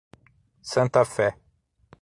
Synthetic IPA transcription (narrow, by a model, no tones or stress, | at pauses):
sɐ̃nt̪ɐfɛ